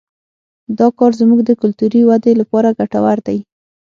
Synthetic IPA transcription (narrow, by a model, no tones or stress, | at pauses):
d̪ɑkɑɾzmuɡd̪əkʊlt̪uɾiwad̪elapɑɾaɡaʈawaɾd̪aj